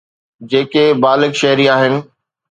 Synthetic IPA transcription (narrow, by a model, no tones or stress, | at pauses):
d͡ʑeːkebaːlɪkʃɐɦɪɾiaːɦɪnɪ̆